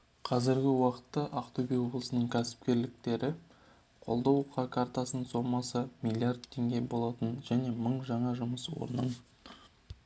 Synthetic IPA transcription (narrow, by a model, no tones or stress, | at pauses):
qʰɑzɪɾɡʲɪwɑqə̥t̪ːɑʔɑqt̪obijwo̞blˠəsənəɴkʲʰæsɪ̥p̚kʲe̞ɾlɪk̚t̪e̞ɾɪ | qʰo̞̰lˠd̪ɑwqʰɑkʰɑrt̪ɑsənso̞mɑsəmilˠiard̪t̪ʰːe̞ŋɡʲe̞bo̞lˠɑt̪ənʒæne̞məɴʒɑɴɑʒʊməswo̰ɾnəɴ